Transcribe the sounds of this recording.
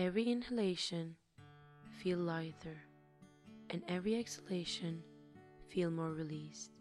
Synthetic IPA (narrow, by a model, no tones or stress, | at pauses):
ɛvɹiɪ̃nhɨleɪʃɨ̃n | filˠlaɪðə˞ | ʔɨ̃nɛvɹiɛksə̥leɪʃɨ̃nfilˠmɔɹɹilist̚